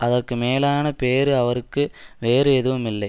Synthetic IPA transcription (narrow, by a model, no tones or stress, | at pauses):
ɐðɐrkɨme̞ːlaːɳɐpeːɾɨɐʋɐrkːɨʋe̞ːreːðuʋɐmilːɐj